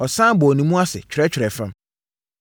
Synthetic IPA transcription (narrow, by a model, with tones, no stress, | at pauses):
ɔ˨sãː˦bɔ˨ɔ˨nĩ˨mũ˦a˦sɪ̰˨t͡ɕᶣʰɾɛ˦t͡ɕᶣʰɾɛ˨fã˦m